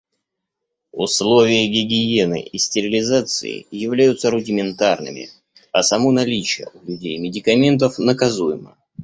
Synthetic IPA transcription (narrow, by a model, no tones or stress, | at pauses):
ʊslˠo̞vʲɪjəɡʲɪɡʲɪjenɨ̰ʔisʲtʲɪɾʲɪlʲɪzat̪sɨ̰ɪ̰jɪvlʲæjʊt̪səɾʊdʲɪmʲɪnt̪arnɨ̰mʲɪ̰ | ɐsɐmonɐlʲit͡ɕɪjə̰ʊlʲʊdʲejmʲɪdʲɪkɐmʲe̞nt̪əfnəkɐzujɪmə̰